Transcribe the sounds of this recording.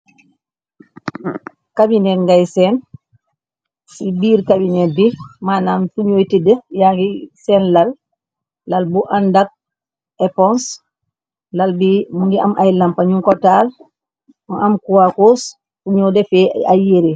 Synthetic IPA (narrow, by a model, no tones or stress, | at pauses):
kabinɛŋɡajsɛn | sibiːɾkabinɛdimanamfuɲojtidɛjaɡisɛnlalː | albuʔandak̚ | ɛpɔns | lalbimuŋɡiʔa̰majlampaɲuŋkɔtal | ɔʔamkuwakos | fuɲodɛfɛa̰jeɾɛ